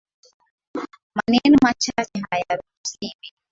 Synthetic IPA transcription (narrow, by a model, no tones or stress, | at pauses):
manɛnimat͡ʃat͡ʃɛɦajaɾusiɾi